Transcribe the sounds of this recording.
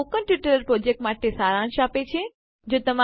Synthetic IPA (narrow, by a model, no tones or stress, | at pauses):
okənʈɪʈəɾəɾpɾoːd͡ʑek̚ʈmaːʈesaːɾãnʃaːpet͡ʃʰe | d͡ʑoːt̪ɐma